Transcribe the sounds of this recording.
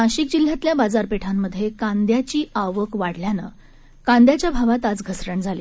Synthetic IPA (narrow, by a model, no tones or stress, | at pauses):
aɕikd͡ʑil̤jat̪ljabad͡zaɾpeʈʰamːəd̪ʱːjekãnd̪jat͡ɕiːʔaʋəkʋaɽ̤ljanə̰ | kãnd̪jat͡ɕjabʱaʋat̪ad͡zɡʱəsɾəɳd͡zʱalḭ